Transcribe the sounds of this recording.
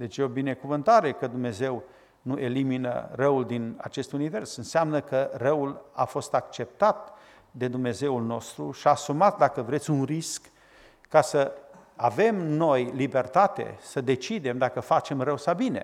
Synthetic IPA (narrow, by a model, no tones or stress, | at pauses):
d̪e̞t͡ʃjeobine̞kuvɨnt̪aɾe̞kəd̪umneze̞w | nuʔe̞liminə̰rəuld̪ina̰t͡ʃe̞st̪unive̞rsɨnseamnəkərəula̰fo̞st̪ak̚t͡ʃe̞p̚t̪at̪ | d̪e̞d̪umne̞ze̞ulno̞st̪ɾuʃiaːsumat̪̚d̪akəvɾe̞t̪sʲunriskː | asə | ave̞mno̞jlibe̞rt̪at̪ḛsəd̪e̞t͡ʃid̪e̞md̪akəfat͡ʃe̞mrəwsabine̞̰